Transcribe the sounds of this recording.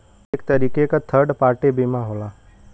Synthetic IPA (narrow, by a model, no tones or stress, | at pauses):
eːkt̪əɾiːkekat̪ʰəɾɖpaːɾʈebimãɦoːlaː